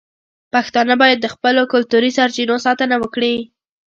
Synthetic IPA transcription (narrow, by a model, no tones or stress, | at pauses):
paxt̪ɑnəbɑjad̪ːəxpəlokʊlt̪uɾisaɾt͡ʃinosɑt̪ənawəkɽi